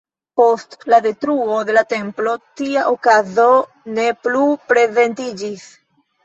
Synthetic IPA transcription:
po̞stlade̞tɾuode̞late̞mplo̞tiaʔokazo̞ | ne̞plupɾe̞ze̞ntid͡ʒis

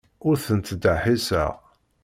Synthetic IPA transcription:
ʊɾθənt̪d̪əħisæ̰ʁ

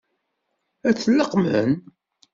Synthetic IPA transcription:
æt͡sːlːəqmə̰n

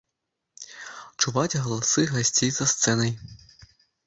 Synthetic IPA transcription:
t͡ʂuvat͡sʲɣɐlˠasɨɣɐsʲt͡sʲejzɐst̪sɛnɐj

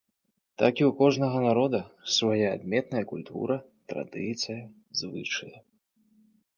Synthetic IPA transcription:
t̪akʲiuwkɔʐnɐɣɐnaɾɔd̪ɐsvajaːd̪mʲɛt̪nɐjɐkulʲt̪ʰṵɾɐ | t̪ɾa̰d̪ɨt̪sɨjɐ | zvɨ̰t͡ʂɨjɐ

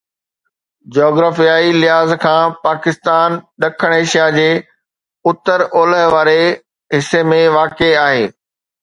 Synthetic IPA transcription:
d͡ʑɔːɡɾaːfijaːilɪɦaːzkʰãːpaːkɪst̪aːnɗɐkʰəɽ̃eːʃijad͡ʑeː | ʊt̪əɾoːləɦʋaːɾe | ɦɪsemẽʋaːkeaːɦeː

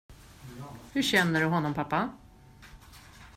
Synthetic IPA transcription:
hɵɕɛnːəɖɵɦɔnːɔmpʰapːa

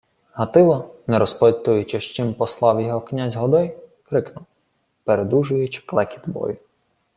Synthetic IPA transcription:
ɦɐt̪ɪlˠɐnɛɾɔsplˠt̪ʊjʊt͡ʃɛʃt͡ʃɪmpɔslˠɑwjɔɦɔknʲazʲɦɔd̪ɔjkɾɪknʊw | peɾed̪uʒʊjʊt͡ʃklˠɛkʲi̥d̪bɔ̰jʊ

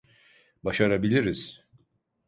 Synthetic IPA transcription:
baʃaɾabilʲiɾiz̥

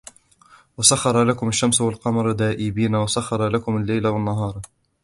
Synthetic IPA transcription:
wasaxːɑɾˤɑlakʊmaʃːamswalqɑmɑɾˤd̪aːʔɪbiːnawasaxːɑɾˤɑlakʊmalːajlawanːaɦɑːɾˤ

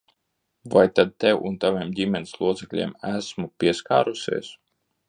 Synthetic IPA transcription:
vajt̪ad̪̚t̪ɛwunt̪aviɛmdʲimʲɛnislˠuɔt̪sɛklʲḭɛmæsmupʲiɛska̰ːɾusʲḭɛs

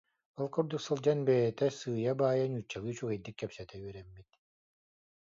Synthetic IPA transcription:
bɔlˠkɔɾd̪uksɯlˠd͡ʒanbeːt̪ɛsɯːjabaːjanyt͡ʃːalˠɯt͡ʃuɣɛd̪ikːɛpsɛt̪ɛyɛɾɛmːit̪

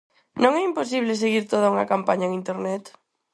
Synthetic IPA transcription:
nõŋɛimpos̬iβ̞les̬eɣiɾt̪oð̞auŋɐkampaɲaeŋint̪eɾnɛt̪

